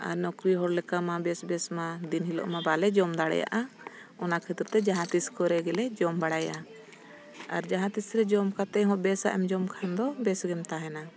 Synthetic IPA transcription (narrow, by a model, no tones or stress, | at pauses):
a̰ɾnɔkɾiɦɔɽlɛkamabɛsbɛsmad̪inɦilɔ̰ʔmabalɛd͡ʒɔmd̪aɽɛ̰ja̰ʔa | ɔnakʰɛt̪ɾ̚t̪ɛd͡ʒaɦãt̪iskɔɾɛɡɛlɛd͡ʒɔmbaɽaja | a̰ɾd͡ʒaɦãt̪isɾɛd͡ʒɔmkat̪ɛɦɔ̃ʔbɛsa̰ʔɛmd͡ʒɔmkʰand̪ɔbɛsɡɛmt̪aɦɛna